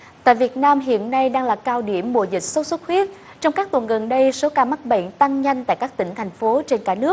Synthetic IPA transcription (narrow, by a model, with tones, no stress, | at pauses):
t̪a̰ː˧˨jvi˨˩ət̚naː˧mɦḭ˧˨ənːa˧jɗaː˧ŋlaː˨˩kaː˧wɗi˧˩əmɓṵ˧˨əzï˨˩k̟̚so˦˥t̚sə˦˥t̚xwi˦˥ət̚ | t͡ɕɔ˧wŋ͡mkaː˦˥k̚t̪wə˨˩nɣə˨˩nɗə˧jso˨˦kaː˧ma˦˥t̚ɓḛ˧˨nt̪a˧ŋɲa˧jŋ̟t̪a̰ː˧˨jkaː˦˥k̚t̪ï˧˩ŋ̟t̪ʰa˨˩jŋ̟fo˨˦t͡ɕe˧nkaː˧˩nɨ˦˥ək̚